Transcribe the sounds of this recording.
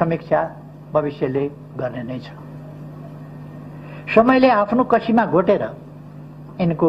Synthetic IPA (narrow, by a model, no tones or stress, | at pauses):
ʌmik̚t͡sʰja | bʱʌbisjʌle | ɡʌrnenʌjt͡sʰʌ̥ | sʌmʌjleapʰnokʌsʰimaɡʱoʈeɾʌ | inko